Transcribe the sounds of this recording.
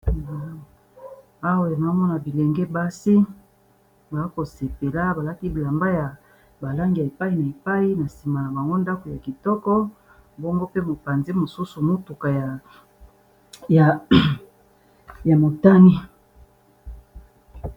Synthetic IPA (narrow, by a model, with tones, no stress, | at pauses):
a˨ | a˦wa˨n˨a˨˦mɔ˦na˨bi˨lɛ˨ŋɡɛ˦ba˦si˦ | ba˨˦ko˨se˨pe˨la˦ba˨la˦ki˦bla˨mba˦ja˨ | ba˨la˦ŋɡi˨ja˨e˨pa˦i˨na˨e˨pa˦i˦na˨si˨ma˨la˨ba˨ŋɡo˦nda˦ko˨ja˨ki˨tɔ˦kɔ˦ | bɔ˦ŋɡo˦pe˦mo˨pa˨nzi˦mo˨su˦su˨mo˦tu˨ka˨ja˨ | ja˨ | ja˨mo˨ta˦ni˦